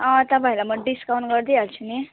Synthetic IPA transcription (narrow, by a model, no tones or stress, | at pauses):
ʌ̃t̪ʌpaĩlamʌɖiskawɳɡʌɾd̪ialt͡sʰuni